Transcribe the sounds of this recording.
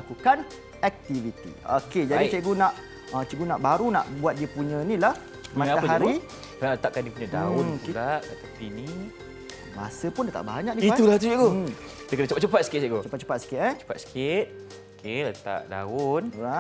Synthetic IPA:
akukan | ɛk̚t̪ivit̪ḭo̰ked͡ʒadit͡ʃeɡonaʔ | ət͡ʃeɡunaʔbaɾuna̰ʔbuat̪̚diəpuɲə̃nilah | maaaəɦaɾi | ənaət̪aʔkandiəpuɲada̰ʊokudaʔdat̪apini | ma̰səpʊndat̪a̰ʔbaɲãkniit̪ulaht̪ut͡ʃeɡo | dəkənat͡ʃupat͡ʃupat̪̚sə̥kɪt̪̚t͡ʃeɡot͡ʃupat̚t͡ʃu̥pat̪̚sə̥kɪt̪̚ɛt͡ʃu̥pat̪̚sə̥kɪt̪̚ | okelat̪a̰ʔda̰ʊnɾa

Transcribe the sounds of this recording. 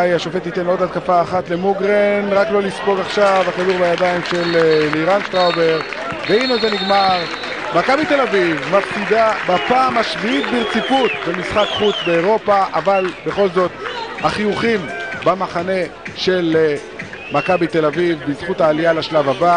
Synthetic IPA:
jaʃofe̞t̪it̪e̞nodhat̪̚kafaːχat̪le̞muɡʁenʁaklo̞lispo̞ɡaχʃavakaduʁbajad̪aimʃelliʁanʃt̪ʁawbeʁ | veinezeniɡmaʁ | makabit̪e̞lavivmaftid̪abapaːmaʃviit̪̚biʁt͡siput̪bemisχakχut͡sbeːʁo̞paʔavalbe̞χo̞lzo̞t̪haχijuχimbamaχane̞ʃe̞l | makabit̪e̞lavivbizχutaːlialaʃlavaba

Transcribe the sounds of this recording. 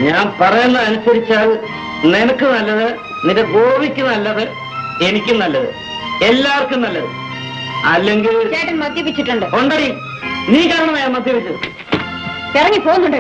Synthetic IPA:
ɲaːnpɐrɐjunːɐðɐnusɐɾit͡ɕːaːl | nenɐkːɨnɐlːɐðɨ | niɾeɡoːbikʲːunɐlːɐðɨ | e̞nikʲːumnɐlːɐðɨ | e̞lːaːɐrkːumnɐlːɐðɨ | ɐlːe̞ŋɡilaːʈːɐmmɐd̪jɐpit͡ɕːiʈːuɳɖɨkoɳɖɐɾi | niːkaːɾɐɳɐmɐjːaːnmɐd̪ʱjɐpit͡ɕːuðɨ | pirɐŋːipoːɣunːuɳɖɨ

